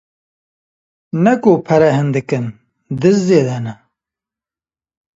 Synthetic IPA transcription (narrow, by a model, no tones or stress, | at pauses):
nɐkopʰɐɾɛɦɨnd̪ɨkɨn | d̪ɨzzeːd̪ɛnɛ